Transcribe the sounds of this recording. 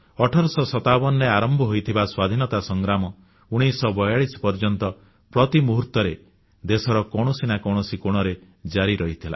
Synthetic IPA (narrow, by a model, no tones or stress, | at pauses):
ɔʈʰɔɾɔsɔsɔt̪abɔnɾeaɾɔmbʱɔɦojt̪ʰibaswad̪ʱinɔt̪asɔŋɡɾamɔ | uɽ̃isɔbɔjaɭisɔ̥pɔɾd͡ʒɔnt̪ɔ | pɾɔt̪imuɦuɾt̪ɔɾe | d̪esɔɾɔkɔɽ̃ɔsinakɔɽ̃ɔsikoɽ̃ɔɾe | d͡ʒaɾiɾɔɦit̪ʰila̰